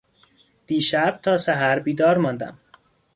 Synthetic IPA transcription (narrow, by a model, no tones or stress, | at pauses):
d̪̥iːʃæb̥̚t̪ʰɒːsæɦæɾbiːd̪ɒːɾmɒnd̪æ̰m